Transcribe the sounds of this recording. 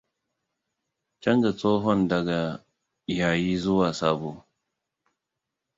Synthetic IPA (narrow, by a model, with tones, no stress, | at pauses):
t͡ʃɐ˦nd͡ʒa˨t͡soː˦ɦɔ˦ndɐ˨ɡa˨ | jaː˨jiː˦zʊ˦waː˨saː˦boː˨